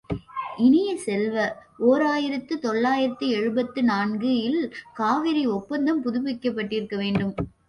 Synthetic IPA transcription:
ʔɪnɪjɐsɛlʋɐoːɾaːjɪɾɐt̪ːɯt̪ɔɭːaːjɪɾɐt̪ːɯɛɻɯbɐt̪ːɯnaːnɡɯjɪlkaːʋɪɾɪɔpːɐnd̪ɐmpʊðʊpːɪkːɐpːɐʈːɪɾɯkːɐʋeːɳɖɯm

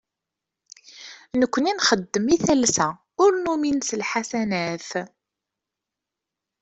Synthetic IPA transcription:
nəkʷːəninχəd̪ːəmiθælsæ | ʊɾnuminsəlħasænæθ

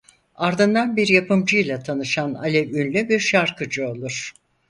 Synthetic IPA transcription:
aɾd̪ɯnd̪anbiɾjapɯmd͡ʒɯjlˠat̪ʰanɯʃana̰lʲɛynlʲybiɾʃaɾkʰɯd͡ʒɯo̞lˠuɾ̥

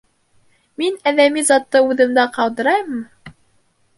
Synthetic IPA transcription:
minæðæmizɑt̪ːɤʉðɘ̆md̪æqɑwd̪ɤ̆ɾɑjmɤ

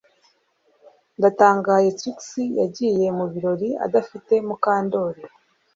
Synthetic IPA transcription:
ndataːŋɡaje̞tɾiksija̰ɟiːje̞muβiɾo̞ɾia̰dafite̞mukaːndo̞ɾi

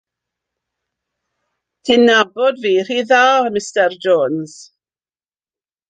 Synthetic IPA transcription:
d̥ʰɪnabɔdviːr̥iðaːmɪstɛrd͡ʒoːnz̥

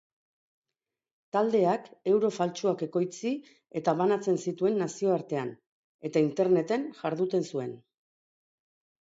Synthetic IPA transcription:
t̪ald̪e̞ake̞wɾo̞falt͡ʃuake̞ko̞jt͡si | e̞t̪aβanat͡se̞nsit̪ue̞nːasio̞aɾt̪e̞an | e̞t̪aint̪e̞ɾne̞t̪e̞nʝaɾðut̪e̞nsue̞n

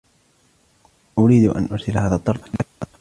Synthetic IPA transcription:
ʔʊɾiːd̪ʔa̰nʔʊɾˤsɪlhaːðat̪ˤːɑɾˤt̪ˤalːaʔ

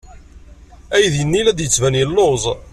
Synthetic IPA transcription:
æjðjənːilæd̪jət͡sːvænjəlːozˤ

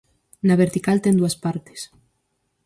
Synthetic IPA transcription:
naβeɾt̪ikalt̪end̪uaspaɾt̪e̥s

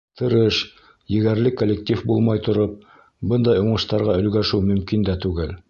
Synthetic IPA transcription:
t̪ʰɤ̆ɾɤʃ | jɘ̆ɡæɾlɘkolʲːektʲifbulˠmɑjt̪ŏɾop̚ | bɤnd̪ɑjuɴɤ̆ʃt̪ɑɾʁɑɵ̆lɡæʃʉwmɵ̆mkind̪æt̪ʉɡɘl

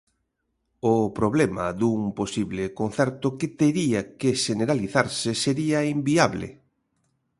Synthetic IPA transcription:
opɾoβlɛma̰ðuŋposiβlɪkon̟θɛɾt̪ʊkɪt̪eɾiakeʃeneɾaliθaɾsɪseɾiɐimbiaβlɪ̰

